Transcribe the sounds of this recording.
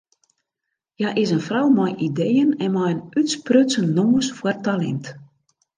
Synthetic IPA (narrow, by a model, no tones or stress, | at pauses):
jaʔɪsənfrawmajʔidejənɛnmajənytsprøtsənːoməsfwərtalɛ̰nt